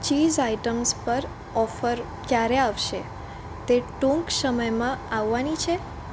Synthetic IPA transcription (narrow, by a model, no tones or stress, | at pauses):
t͡ʃizaiʈəmspəɾ | ɔfəɾ | kjaɾeaʋʃe | t̪eʈũŋksəməjmãaʋːanit͡ʃʰe